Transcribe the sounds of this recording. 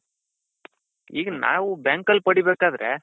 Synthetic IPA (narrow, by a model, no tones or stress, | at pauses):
iːɡɐna̰ːʋubaːŋkɐlpɐɽibeːkaːd̪ɾʔḛː